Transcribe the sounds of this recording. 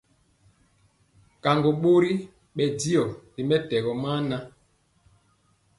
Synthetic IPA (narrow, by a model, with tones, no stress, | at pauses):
ka˨ŋɡo˨ɓo˦ɾi˦ | ɓɛ˨di˦ɔ˨di˨mɛ˦tɛ˨ɣɔ˨maː˦na˦